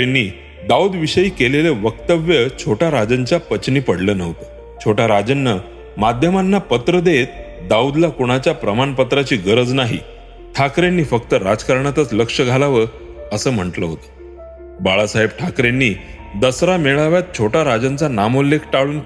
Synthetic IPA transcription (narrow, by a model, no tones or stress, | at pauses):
enːiː | d̪auːd̪ʋiɕəjiːkeleleʋəkt̪əʋjət͡ɕʰoʈaɾad͡zəɲt͡ɕjapət͡ɕniːpəɽlənəʋt̪ə | t͡ɕʰoʈʰaɾad͡zənːə | mad̪ʱjəmanːapət̪ɾəd̪et̪̚ | d̪auːd̪lakuɽ̃at͡ɕjapɾəmanpət̪ɾat͡ɕiːɡəɾəd͡znaɦḭ | ʈʰakɾenːiːfək̚t̪əɾad͡zkəɾɳat̪ət͡sləkʂəɡʱalaʋəɾ | əsəːm̤əɳʈləɦot̪ə̥ | baɭasaɦeb̚ʈʰakɾenːiː | d̪əsɾameɭaʋjat̪̚t͡ɕʰoʈʰaɾad͡zant͡sanamolːekʰʈaɭuːn